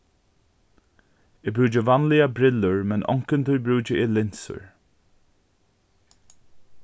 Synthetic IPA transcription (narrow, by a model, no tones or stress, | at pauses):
ɪbɹuːd͡ʒəvanliabɾɪləɹmɛnʔɔ̰ŋkənt̪ʰujbɾuːd͡ʒəʔɪlɪnsə̰ɹ